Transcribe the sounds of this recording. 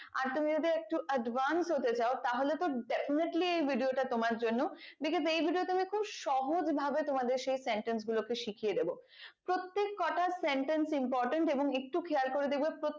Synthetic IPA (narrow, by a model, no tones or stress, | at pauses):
a̰ɾt̪umid͡ʑod̪iek̚ʈuʔəɖvansɦot̪et͡ɕaot̪aɦolet̪oɖefineʈliejbʱiɖioʈat̪omaɾd͡ʑonːobiked͡ʑejbʱiɖiot̪umikʰubʃɔɦod͡ʑbʱabet̪omad̪eɾʃejseɳʈens̬ɡulokeʃikʰijed̪ebo | pɾot̪ːekːɔʈaseɳʈensimpɔɾʈeɳʈeboŋek̚ʈukʰeaɾkoɾed̪ibepɾo